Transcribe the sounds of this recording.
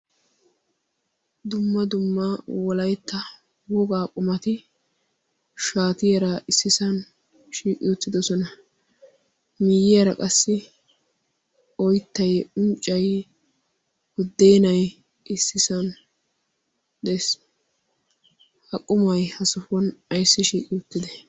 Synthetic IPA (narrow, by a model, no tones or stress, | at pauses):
d̪ʊmːɐd̪ʊmːɐwɔlɐjt̪ːɐ | wɔɡaːkʼʊmɐt̪ɪ | ʃaːt̪ɪjɐɾaʔɪsːɪsɐn | ʃiːkʼɪʊt͡sːɪd̪ɔsɔnɐ | mɪjɪjɐɾɐ̰kʼɐsːɪ | ɔjt̪ːɐjʊnt͡ʃʼːɐj | wʊd̪ːeːnɐj | ʔɪsːɪsɐn | d̪ɛs | hɐkʼːʊmɐjhɐsʊfɔnɐjsːɪʃiːkʼɪʊt̪ːɪd̪ɛ